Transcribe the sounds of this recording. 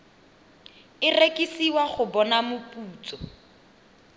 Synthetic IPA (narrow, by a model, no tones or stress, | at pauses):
ɪrekʼisiwaχʊbɔnamʊpʼuːt͡sʼɔ